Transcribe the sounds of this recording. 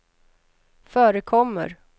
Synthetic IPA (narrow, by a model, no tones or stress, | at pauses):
fœːɾəkʰɔmːə̰ɾ